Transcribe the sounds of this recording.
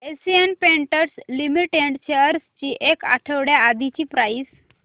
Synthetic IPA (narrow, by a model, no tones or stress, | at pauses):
esienpẽɳʈəɾslimiʈeɖt͡ɕeəɾst͡ɕiːʔeka̰ʈʰəʋɽjaːd̪ʱit͡ɕiːpɾajs